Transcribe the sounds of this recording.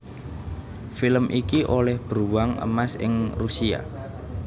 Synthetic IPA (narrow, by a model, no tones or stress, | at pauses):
filəmʔikiʔolɛhb̥ɾuwaŋə̰masɪ̰ŋrusia̰